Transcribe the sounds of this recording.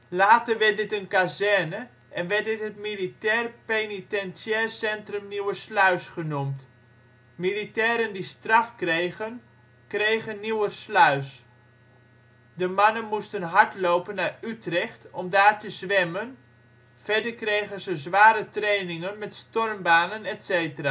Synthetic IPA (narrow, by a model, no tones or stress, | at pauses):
laːtərʋɪt̚dɪtənkazɛrnə | ʔɛnʋɛt̚dɪtɦətmilitɛːrpenitɛnsjɛrsɛntrəmniwəslœɥsχənumt | militɛːɾəndistrɑfkrejɣən | krejɣənːiwəslœɥs | dəmɑnənmustənɦaɹtlowpənːaytrɛχtɔmdaːrtəzʋɛmən | fɛɹdəkrejɣənzəzʋaːɾətrejnɪŋənmɛtstɔrmbaːnənɛtsejtəraː